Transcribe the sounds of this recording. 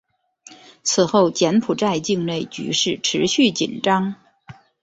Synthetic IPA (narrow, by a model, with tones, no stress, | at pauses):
t͡sʰɹ̩˨˩xo˥˩ʊt͡ɕjɛ˧˥npʰu˨˩ʈ͡ʂa˥˧ɪt͡ɕi˥˧ŋne˥˩ɪt͡ɕy̰˧˥ʂɻ̩˥˩ʈ͡ʂʰɻ̩˧˥ɕy˥˩t͡ɕḭ˨˩nʈ͡ʂɑ˥ŋ